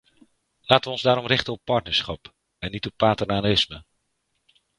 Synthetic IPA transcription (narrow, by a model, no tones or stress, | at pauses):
laːtəʋəɔnzdaːɾɔmrɪχtənɔpːɑɹtnəɹsχɑp | ɛnːitɔpːaːtərnanɪsmə